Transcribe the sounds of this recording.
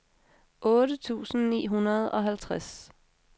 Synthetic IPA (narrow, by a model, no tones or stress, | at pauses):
ʔɔːɾət͡sʰṵːsn̩nḭːɦunɐðˠɒ̽ɦælt͡sʰʁas